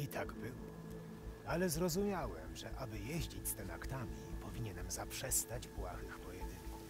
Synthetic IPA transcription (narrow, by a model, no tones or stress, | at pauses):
it̪aɡbɘwɔ | alɛzɾɔzumʲjawɛmʐɛʔabɘjeʑd͡ʑit͡ɕʲst̪ɛnakt̪amʲipʰɔvʲiɲɛnɛmzapʂɛst̪ad͡ʑbwaxɘxpɔjɛd̪ɪk